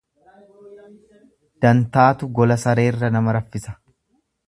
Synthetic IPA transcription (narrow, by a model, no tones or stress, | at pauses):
d̪̥ɐnt̪aːt̪ʊɡɔlɐsɐɾe̞ːrːɐnɐmɐɾɐfːɪsɐ̥